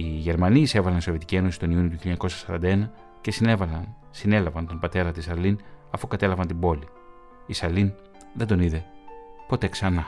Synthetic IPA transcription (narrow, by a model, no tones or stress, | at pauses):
iʝe̞ɾmɐniːse̞vɐlɐniso̞vjet̪icie̞no̞sist̪o̞niuniouçioɲɐko̞sɐsɐɾɐ̰nd̪ɐe̞nɐ | ce̞sinevɐlɐn | sine̞lɐvɐnt̪o̞mbɐt̪e̞ɾɐt̪isɐlinɐfukɐt̪e̞lɐvɐnt̪imbo̞li | isɐlin | ðed̪o̞niðe̞po̞t̪e̞ksɐnɐ